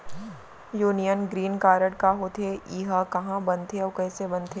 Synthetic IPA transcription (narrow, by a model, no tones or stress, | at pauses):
juːnijənɡɾiːnkaːɾəɽkaɦot̪ʰeiːɦakɐɦãbɐ̃nt̪ʰeɔːkɛːsebɐ̃nt̪ʰe